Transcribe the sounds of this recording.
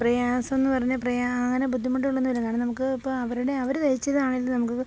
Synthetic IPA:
prɐjaːsɐmenːɨpɐrɐɲːɐprɐjaɐŋːɐnebud̪ʱːimɐʈːijuɭːunːuʋilɐkːaːɳinɐmukːɨipːoɐʋɐɾuɽe̞ɐʋɐɾt̪ɐjit͡ɕːɐðaːɳilːɐnɐmukːɨ

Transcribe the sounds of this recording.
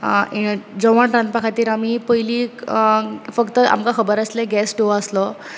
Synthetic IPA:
id͡zɔʋaɳʈɾãnt̪̚pakʰat̪iːɾamiːpəjliː | fəkt̪əʔa̰mkakʰəbəɾasleɡɛsʈoəslɔ

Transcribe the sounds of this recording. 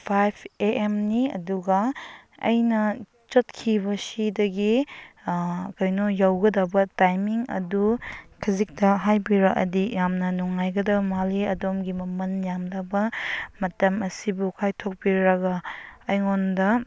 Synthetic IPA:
pʰajpʰeʔemniɐ̰duɡɐɐ̰jnɐ | t͡ʃot̚kʰibɐsidɐɡi | kojnojawɡɐdɐbɐtajmiŋɐ̰dukʰɐzik̚tɐɦajbiɾɐʔɐ̰dijamnɐnuŋajɡɐdɐbɐmaliɐdomɡimɐmɐnjamdɐbɐmɐtɐmɐsibukʰajtʰok̚biɾɐɡɐːjŋondɐ

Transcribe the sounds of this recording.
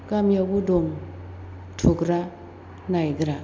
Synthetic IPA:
ɡamjabudɔŋ | tʰukɾa | najɡɾa

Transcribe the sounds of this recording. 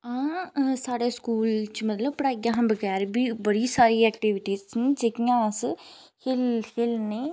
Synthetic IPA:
ãːsaːɽeːskuːlt͡ʃmət̪ləb̚pəɽaːɡjãːɦãːbəɡɛːɾbiːbəɽiːsaːɾiːɛːk̚ʈiːʋɪʈiːzd͡ʒekijãːs | hɪlhɪlneː

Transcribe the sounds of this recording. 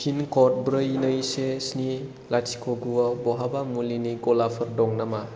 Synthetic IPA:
kʰinkɔt̚bɾɯinəjsesni | lat͡ʃi̥kʰoɡuabɔɦabamuliniɡɔlapʰɐɾdɔŋnama

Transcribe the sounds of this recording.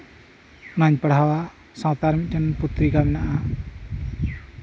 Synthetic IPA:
unaɲpəɽ̤awa | sãwt̪aɾmik̚tənput̪ɾikaminaʔa

